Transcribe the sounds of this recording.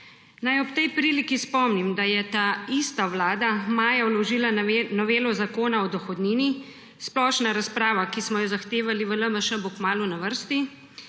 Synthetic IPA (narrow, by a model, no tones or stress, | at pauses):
najɔpt̪ɛjpɾiːlikispɔmnimd̪ajɛt̪aːist̪awlaːd̪amaːjawlɔʒiːlanɔʋeːlɔzakoːnaɔd̪ɔxɔd̪niːni | splɔːʃnaɾaspɾaːʋakismɔjɔzaxt̪eːʋaliʋələməʃəbukmaːlunaʋəɾst̪i